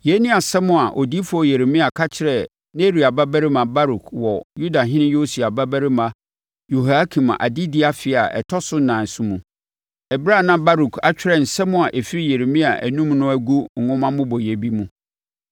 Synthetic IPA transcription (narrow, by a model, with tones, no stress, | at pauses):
jɛ˨˦nĩ˦a˨sɛ˦mʊ̃˦a˨ʔo˨di˦fɔ˦˨je˨ɾe˨mĩ˦a˨kʰa˦t͡ɕʰɪ˨ɾɛ˦˨ | ne˦ɾi˨a˨ba˦bæ˦ɾɪ˦mã˨ba˦ɾu˨kʰwɔ˨ju˦da˨ɦɪ̃˦nɪ̃˦jo˦su˨a˨ba˦bæ˦ɾɪ˦mã˨ | jo˨ɦa˨a˦kʰĩ˨ma̰˨ʔa̰˨dɪ˦dɪ˦a˨fɪ˨a˨ʔɛ̰˨tʰɔ˦sʊ˦nãː˨n̩˨sʊ̃˦mũ˨ | ɛ˨bɾa˦˨nã˦ba˦ɾu˨kʰa˦t͡ɕᶣɪ˦ɾɛ˨n̩˨sɛ˦mʊ̃˨a˨ʔe˨fi˦ɾi˦je˨ɾe˨mĩ˦a˨ʔæ̰˨nũ˦mnʊ̃˦æ˦ɡu˦ŋ̩˨ŋʊ̃˦mã˦mʊ̃˦bɔ˨je˨bi˦mũ˦